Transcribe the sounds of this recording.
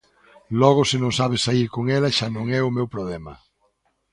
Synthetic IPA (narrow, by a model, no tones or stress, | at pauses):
lɔɣʊsɪnõŋsaβ̞ɪsaiɾkoŋɛlɐʃanõŋɛʊmewpɾoβlɛmɐ̰